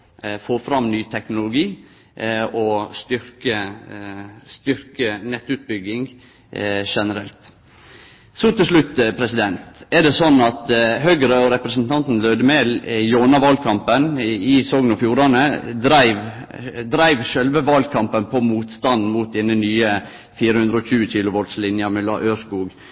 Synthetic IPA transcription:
foːfɾɑmnyːt̪ʰɛknʊlʊɡiː | ɔst̪ʏɾkə | st̪ʏɾkənɛt̪ːʉt̪̚bʏɡːɪŋ | ʂɛnəɾɛlt̪ | sɔt̪ɪlʂɭʉt̪ːpʰɾɛsɪd̪ɛnt̪ɛɖ̪ɛsɔnːɑt̪ɦøɡɾəɔɾɛpɾɛsn̩t̪ʰɑnt̪n̩løːd̪əmɛːljoːnɑʋɑlkʰɑmpənɪsɔŋnɔfjuːɾɑnəd̪ɾæɪʋ | d̪ɾæɪʋʃœlʋəʋɑlkʰɑmpənpʰɔmuːt̪st̪ɑn̩muːt̪̚d̪ɛnənyːə | fiːɾəhʉnd̪ɾəɔçʉːəc͡çɪːlʊʋɔld̪slɪnjəɾmɛlɑ̰ːʔøːskuːɡ

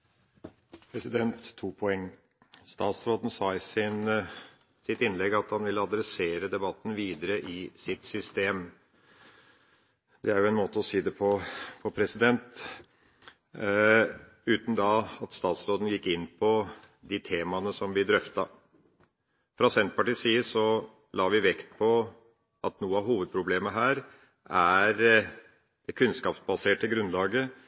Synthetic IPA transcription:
pʰɾɛsɪd̪ɛnt̪ʰːuːpʰɔɛŋː | st̪ɑːt̪sɾoːd̪n̩sɑːɪsɪn | sɪt̪ɪnlɛɡɑt̪hɑnʋɪlːəɑd̪ɾɛseːɾəd̪ɛbɑt̪ːn̩ʋiːd̪əɾəʔɪsɪt̪sʏst̪eːm | d̪ɛæɾjʊɛnmoːt̪əɔsiːd̪ɛpʰɔpʰɔpʰɾɛsɪd̪ɛnt̪ | ʉːt̪n̩d̪ɑɑt̪st̪ɑːt̪sɾoːd̪n̩jɪkːɪnːpʰɔ | d̪ɪt̪ʰeːmɑnəsɔmbɪd̪ɾœft̪ɑ | fɾɑsɛnt̪pɑʈiːsiːəsɔ | lɑːʋɪʋɛkt̪̚pʰɔ | ʔɑt̪nuːəɑʋɦuːʋəd̪̚pʰɾʊbleːməɦæːɾ | æɾ | d̪̥ɛkʰʉnskɑːpsbɑseːʈəɡɾʉnlɑːɡə

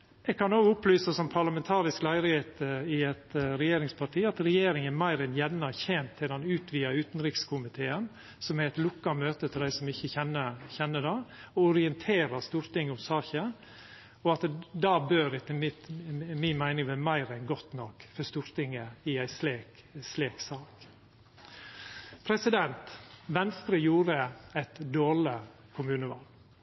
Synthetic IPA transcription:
ɛɡ̚kʰɑnoːɡʊplyːsəsɔmpʰɑɾlɑmɛnt̪ʰɑːɾɪsklæɪɾɪheːt̪ɪɛt̪ɾɛjeːɾɪŋspʰɑʈʰiːɑt̪ɾɛjeːɾɪŋənmæɪɾɛnjɛnnːɑçɛnt̪ʰːɪld̪ɛnʉːt̪ʰʋiːɑʉːt̪nɾɪkskʰʊmɪt̪ʰeːən | sɔmæɾɛt̪lʊkːɑmøːt̪ət̪ʰɪld̪æɪsɔmɪçːəçɛnːəçɛnːədɑɔʊɾɪɛnt̪ʰeːɾɑst̪uːɾt̪ɪŋːəʊmsɑːçə | ɔɑt̪d̪ɑːbøːɾɪt̪ːəmɪt̪mɪnmæɪnɪŋʋɛmæɪɾɛnɡɔt̪nɔkfɔst̪uːɾt̪ɪŋəɪæɪsleːk | sleːksɑːk | pʰɾɛsɪd̪ɛnt̪ʋɛnst̪ɾəjuːɾəæɪt̪d̪oːɭɪ | kʰʊmʉːnəʋɑl

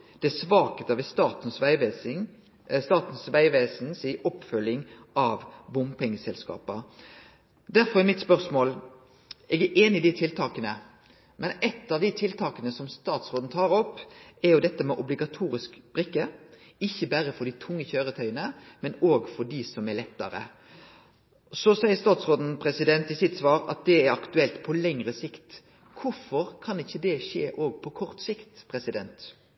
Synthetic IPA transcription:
d̪̥ɛsʋɑːkət̪ɑʋɛst̪ɑːt̪n̩sʋɪ | st̪ɑːt̪n̩sʋæɪʋeːsn̩siʔɔpːfœlːɪŋ | ɑʋbʊmpʰɛŋːəsɛlskɑ̰ːpə | d̪æɾfɔʁɛmɪt̪spœɾsmoːl | ʔɛɡæʔeːnɪɪd̪ɪt̪ʰɪlt̪ɑːkənə | mʔɛnɛt̪ːɑʋd̪ɪt̪ʰɪlt̪ʰɑːkənəsɔmst̪ɑːt̪sʁoːd̪n̩t̪ʰɑːɾɔpːɛɾjʊd̪ɛt̪ːəmɛʔʊblɪɡɑt̪ʰuːɾɪskb̥ɾɪkːə | ɪçːəbæɾəfɔɖ̪ɪt̪ʰʊŋːəçøːɾət̪ʰœʏənəmɛnoːɡfɔɖisɔmɛɾlɛt̪ːɑ̰ɾə̰ | sɔsæɪəɾst̪ɑːt̪sʁoːd̪n̩pʰɾɛsɪd̪ɛnt̪ɪsɪt̪sʋɑːɾɑ̰t̪̚d̪ɛæɾɑkt̪ʉɛlt̪pʰɔlɛŋɾəsɪkt̪ | kʰʊfɔɾkʰɑnɪçːəd̪ɛʂeːʔoːɡ̚pʰɔkʰɔɾt̪sɪkt̪pʰɾɛsɪd̪ɛnt̪

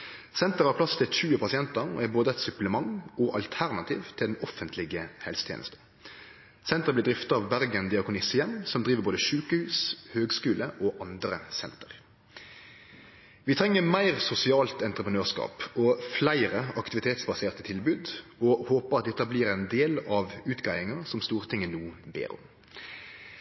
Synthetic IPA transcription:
sɛnt̪əɾʁɑpʰlɑst̪ʰɪlʃʉːəpʰɑsɪɛnt̪əʁ̰æboːd̪əɛt̪sʉpləmɑŋɔʔɑ̰lt̪ʰæʁnɑt̪ʰiːʋt̪ʰɪld̪ɛn̩ɔfənt̪ʰlɪɡəhɛlsət̪ʰjḛːnə̰st̪ən | sɛnt̪əʁəblɪd̪ʁɪft̪ɑɑʋbæɾɡənd̪ɪɑkʊnɪsjɛmnsɔmd̪ɾʁiːʋəɾboːd̪əʃʉːkəhʉːshøːɡskʉːləʔɔʔɑnd̪ɾə̰sɛnt̪əʁ | ʋɪt̪ʰʁɛŋːəmæɪʁsʊsɪɑːlt̪ɛnt̪ʁəpʁənøːʁskɑ̰ːpɔflæɪɾəɑkt̪ɪʋɪt̪ʰeːt̪sbɑseːʁt̪ət̪ʰɪlbʉːd̪ɔhoːpəʁɑt̪̚d̪ɛt̪ːəblɪʁɛɪnd̪eːlɑʋʉːt̪ɡæɪɪŋəʁsɔmst̪uːʁt̪ʰɪŋːənuːbḛːɾɔ̰m

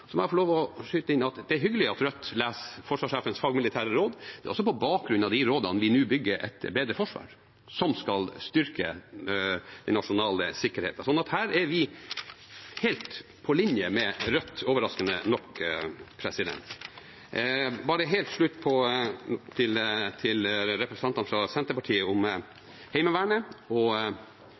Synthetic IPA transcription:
sɔmɛɑfɔɭoːʋɔʂyːt̪əɪnːɑt̪d̪ɛæɾɦʏɡːəlɪɑt̪ɾœt̪ːlæːsfɔʂʋɑːʂeːfənsfɑːɡmɪlɪt̪ʰæːɾəɾoːd̪d̪̥ɛ̰ʔɔsːɔpɔbɑːk̚ɡɾʉnːɑʋd̪iɾoːd̪ɑnəʋɪnʉːbʏɡːəɾʔɛ̰t̪beːd̪ɾəfɔʂʋɑ̰ːɾ | sɔmskɑlst̪ʏɾkʰə | d̪̥ɛnɑʂʊnɑːləsɪkːəɾhḛːt̪ɑsɔnːɑt̪hæːɾɛɾʋɪ | hɛlt̪ | pʰɔlɪnjəmɛɾœt̪ːoːʋəɾɑskənənɔkpʰɾɛsɪd̪ɛ̰nt̪ | bɑːɾəɦeːlt̪ʂɭʉt̪ːpʰɔ | t̪ʰɪlt̪ʰɪlɾɛpɾəst̪ɑnt̪ɑnfɾɑsɛnt̪əpɑʈʰiːəʊm | hɛɪməʋæːɳəɔ

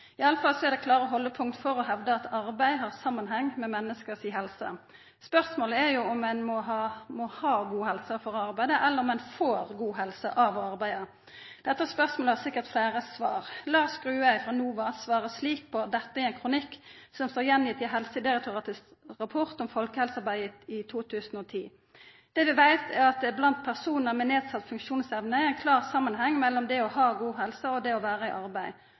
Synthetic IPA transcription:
ɪɑlːəfɑlːsɔɛʁd̪ɛkʰlɑːɾəɔɦɔlːəpʰʊŋkt̪fɔɾɔɦɛʋd̪əɑt̪ʰɑɾbæɪdhɑʁsɑmːənɦɛŋːmɛmɛnːəskəsiːɦɛlsə̰ | spœʁsmoːləæɾjʊɔmːɛnmɔɦɑmɔhɑːɡuːhɛlsəfɔɾɔɑɾbæɪd̪əʔɛlːəɾɔmɛnfoːʁɡuːɦɛlsə̰ʔɑʋɔɑɾbæɪd̪ə | d̪̥ɛt̪ːəæspœʁsmoːləhɑsɪkːəʁt̪fleːɾəsʋɑːʁlɑːskɾʉːæɪfʁɑnuːʋɑsʋɑːʁəsliːk̚pʰɔd̪ɛt̪ːəæɛɛɪnkʰɾʊnɪkːsɔmst̪oːɾjɛnjɪt̪ɪɦɛlsəd̪ɪɾɛk̚t̪ʊʁɑːt̪ɪskʁɑpʰɔʁt̪ɔmfɔlkəhɛlsɑʁbæɪɪt̪ʰuːt̪ʰʉːsənɔt̪ʰiː | d̪̥ɛːʋɪʋæɪt̪ʰæʁɑt̪̚d̪ɛblɑnt̪̚pʰæʁsuːnəmɛneːd̪sɑt̪ːfʉŋkʃuːnsɛʋnəææɪnkʰlɑːʁsɑmːənhɛŋːmɛlːɔmd̪ɛɔhɑːɡuːɦɛlsəɔd̪ɛɔʋæːʁəɪʔɑʁbæɪ

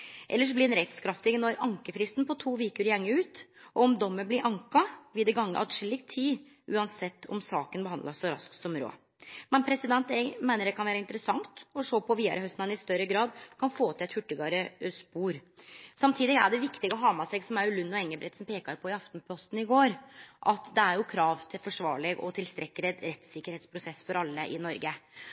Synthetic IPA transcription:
ʔɛ̰lːəʂ̬ɔblɪd̪ɛnɾɛt̪skʰɾɑft̪ɪɡənɔɾɑŋkəfɾɪst̪npɔt̪ʰuːʋiːkəɾɪjɛŋːəʉːt̪ʔɔɔmd̪ɔmːəblɪɾʔɑŋkɑʋɪd̪ɛɡɑŋːə̰ʔɑ̰t̪ʂɪlːɪkt̪ʰiː | ʔʉːɑnsɛt̪ːɔ̰msɑːkənbəhɑnd̪lɑsːɔɾɑ̰skt̪sɔmɾo̰ː | mɛnpʰɾɛsɪd̪ɛnt̪ɛmæɪnəɾɖɛkʰɑnʋæːɾɑɪnt̪əɾəsɑŋt̪ɔʂoːpʰɔʋiːd̪ɑ̰ɾəhœst̪nɑnɪst̪œɾəɡɾɑːd̪kʰɑnfoːt̪ʰɪlɛt̪hʉʈːəɡɑɾəspuːɾsɑmt̪ʰiːd̪ɪɡæ̰ɖɛʋɪkt̪ɪɡəɔɦɑːmɑsɛɡsɔmæɾʉlʉnːɔɛŋːəbɾʔɛt̪sɔmpʰeːkɑɾpʰɔɪɑft̪npʰɔst̪n̩ɪɡoːɾʔɑt̪d̪ɛæɾjʊkʰɾɑːʋt̪ʰɪlfɔʂʋɑ̰ːɭɛɡɔ̰t̪ʰɪlst̪ɾʔɛkːəɾɛt̪ɾɛt̪sɪkəɾheːt̪spʰɾʊsɛsːfɔɾɑlːəʔɪ̰nɔɾɡə

